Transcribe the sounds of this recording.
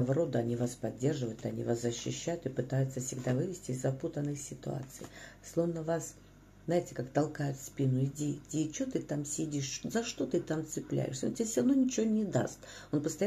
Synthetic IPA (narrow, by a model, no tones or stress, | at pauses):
əvɐɾo̞d̪əɐnʲivaspɐdʲːe̞rʐɨvəjʊt̪ɐnʲḭvaszəɕːɪɕːæjʊt̪ɨpɨt̪ajʊt̪səfsʲɪɡd̪avɨvʲɪsʲtʲɪːzːɐput̪ənːɨxsʲɪt̪ʊ̰a̰t̪sɨjslˠo̞vnəvas | znaɪtʲɪkakt̪ɐlˠkajʊt̪spʲinʊɪdʲidʲit͡ɕot̪ɨt̪amsʲɪdʲiʂzɐʂt̪o̞t̪ɨt̪amt̪sɨplʲæ̰jɪ̰ʂsʲəontʲɪasʲɾɐvnojnʲɪt͡ɕɪvonʲɪd̪a̰st̪onpəst̪ɐj